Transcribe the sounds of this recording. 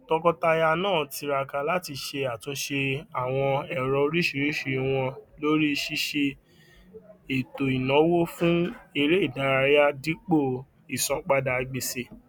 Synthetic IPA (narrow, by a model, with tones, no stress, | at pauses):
tɔ˧kɔ˧ta˧ja˧nãː˦˨ti˧ɾa˧ka˧la˦ti˧ʃe˧a˨tõ˨˧˦ʃe˧a˦˨w̃ɔ̃˧ɛ˨ɾɔ˧ɾi˦ʃi˦˧˨ɾi˦ʃi˧˨˧w̃ɔ̃˧lo˦ɾi˦˧ʃi˦ʃe˧ | e˨to˨i˨nɔ̃˨˦wo˦fũ˦e˧ɾe˦i˦˨da˨˦ɾa˧ja˦di˦k͡po˦˨ | i˨sɔ̃˧˦k͡pa˧da˧˨i˨ɡ͡be˧se˦˨